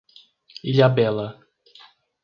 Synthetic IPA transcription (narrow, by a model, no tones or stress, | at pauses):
iʎabɛlɐ